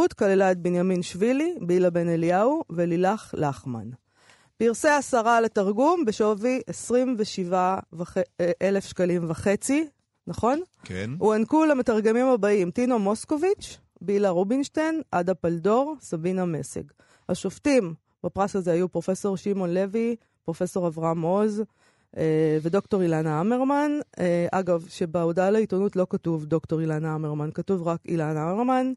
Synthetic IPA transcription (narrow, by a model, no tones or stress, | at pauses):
ut̪kalelaet̪̚benjaminʃvilibilabe̞neliauvelilaχlaχma̰n | piʁseasaʁalet̪aʁɡumbeʃoviʔesʁimveʃivavaχeʔele̞fʃkalimvaχe̞t͡si | naχo̞nkehuankulame̞taʁɡe̞mimhabaimt̪ino̞mo̞sko̞vit͡ʃ | bilaʁobinʃtenʔadapaldo̞ʁsabiname̞sḛɡ | haʃoftim | bapʁasazeajupʁo̞fe̞so̞ʁʃimo̞nle̞vi | pʁo̞fe̞so̞ʁavʁamo̞z | eve̞dokto̞ʁilanaame̞ʁmaneʔaɡavʃe̞beudalaitonutlo̞katuvdo̞kto̞ʁilanaameʁmankatuvʁakḭlanameʁman